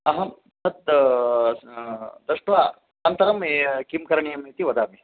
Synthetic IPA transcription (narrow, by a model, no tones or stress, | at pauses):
ɐɦɐm | t̪ʰɐt̪̚ | d̪ɐʂʈʋaː | ɐnt̪ɐɾɐmekimkɐɾɳijɐmet̪iʋɐd̪aːmi